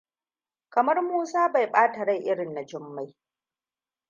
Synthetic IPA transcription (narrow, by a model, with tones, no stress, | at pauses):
kɐ˨mɐ˦rmuː˦saː˦ba˨jɓaː˦ta˨ɽa˦jʔɪ˦ɽɪ˨nːa˨d͡ʒɪ˦mːa˦j